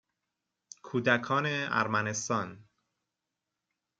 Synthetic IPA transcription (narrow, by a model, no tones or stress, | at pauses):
kʰuːd̪ækʰɒːneæ̰ɾmænest̪ɒːn